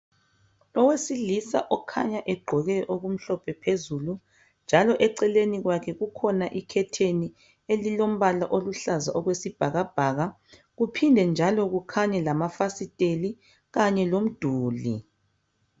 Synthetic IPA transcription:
ɔwesilisa̰ʔɔkʰa̰ɲaʔɛɡ͡ǃʱɔɣɛʔoɣum̩ɬɔpʰɛpʰezulu | nd͡ʒʱalɔʔɛǀɛleniɣwakʰɛɣukʰɔnaʔikʰɛtʰeni | elilom̩βalaʔoluɬaza̰ʔɔɣwesib̥ʱaɣab̥ʱaːɣa | ɣupʰindʱɛnd͡ʒʱalɔɣukʰaɲɛlamafasitʼeli | ɣaɲɛlom̩d̥ʱuːlḭ

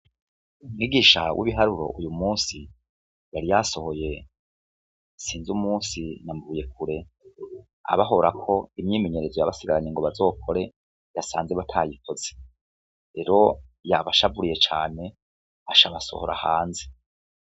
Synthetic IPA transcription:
umŋiɡiːʃawʔḭβiɦaɾuɾo̞̰ʔujumuːsi | jaɾijaso̞ho̞je̞ | siːnzumuːsinamvuːje̞kuɾe̞ | a̰βaɦo̞ɾakʰo̞imɲiːmeɲe̞ɾe̞zojaβasiɡaɾaɲeŋɡo̞βazo̞ːkʰo̞ɾe̞ | jasaːnzeβatʰajikoz̥e | ɾe̞ɾo̞jaβaʃabuɾije̞t͡ʃaːne̞ | aʃaβaso̞̰ho̞ɾa̰haːnze

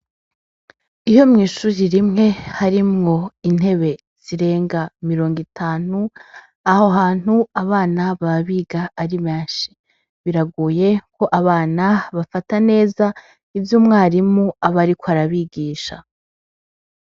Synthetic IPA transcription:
ijo̞mŋiːʃuːɾiɾimŋe̞haɾimŋo̞in̥he̞βe̞ | z̥iɾe̞ːŋɡamiɾo̞ːŋɡitʰaːn̥u | ahoɦaːn̥huaβaːnaβaβiːɡaːɾimaːʃi̥ | βiɾaɡuːje̞ko̞ʔaβaːnaβafatane̞ːza | ivjuːmŋaːɾimuaβaɾikoaɾaβiɡiːʃa̰

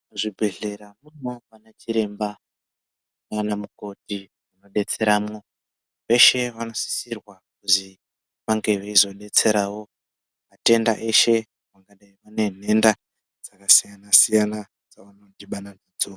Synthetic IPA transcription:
ʐibʱe̞ɮe̞ɾamunaʋanat͡ʃiɾe̞mba | manamuko̞ti | uno̞ɗe̞t͡se̞ɾaːmo̞ | ʋe̞ʃe̞ʋano̞si̥sirwakuzi | ʋaŋɡe̞ʋeizo̞ɗe̞t͡se̞ɾaːwo̞ | mate̞nda̰ʔe̞ʃe̞ | ʋaŋɡaɗaiʋane̞n̤e̞nda | d͡z̥akasijanasijana | d͡zaʋano̞diɓananiːd͡zo

